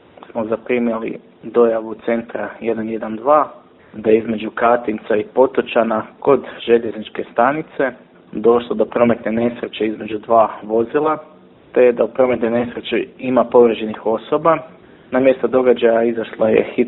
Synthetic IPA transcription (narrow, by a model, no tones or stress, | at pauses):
smozapɾimjelḭ | d̪o̞jaʋut̪se̞nt̪ɾaje̞d̪anje̞d̪and̪ʋaː | d̪aizme̞d͡ʒukat̪int̪saipo̞t̪ot͡ʃanako̞d̪ʒe̞ʎe̞znit͡ʃke̞st̪anit̪se̞ | d̪o̞ʃlˠod̪o̞pɾo̞me̞t̪ne̞ne̞sɾe̞t͡ʃeizme̞d͡ʑud̪ʋaːʋo̞zilˠa | t̪e̞d̪aupɾo̞me̞t̪none̞sɾe̞t͡ʃiimapo̞ʋɾed͡ʑenixo̞so̞ba | namje̞st̪od̪o̞ɡad͡ʑajaizaʃlˠojḛxi